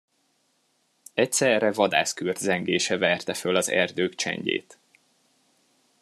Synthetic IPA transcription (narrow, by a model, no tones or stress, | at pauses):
ɛc̚sɛrɛvɒd̪a̰ːskyrd̪zɛŋɡeːʃɛvɛrt̪ɛfølɒzɛ̰rd̪øːkt͡ʃɛ̰ɲɟḛːt̪